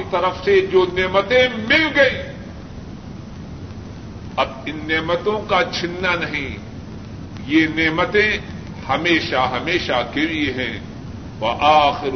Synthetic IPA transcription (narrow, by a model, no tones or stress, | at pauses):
it̪ɐɾəfsed͡ʒoːneːmət̪ẽmɪlɡɐĩː | ɐb̚ɪnːeːmət̪õkat͡ʃʰɪnːanɐɦĩ | jeːneːmət̪ẽ | hɐmeːʃaɦɐmeːʃakelieɦɛ̃ː | ʋɐʔaːxɪɾ